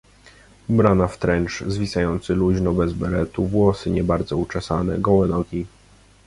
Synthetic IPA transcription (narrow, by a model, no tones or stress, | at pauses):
bɾanaft̪ɾɛnt͡ʂzvʲisajɔnt̪sɘluʑnɔbɛzbɛlɛt̪uvwɔsɘɲɛbaɾd̪zɔut͡ʂɛsanɛ̰ɡɔwɛnɔɡʲi